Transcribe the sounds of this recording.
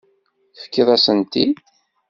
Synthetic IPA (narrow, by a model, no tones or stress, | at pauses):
θfə̥kːiðˤæsənt̪i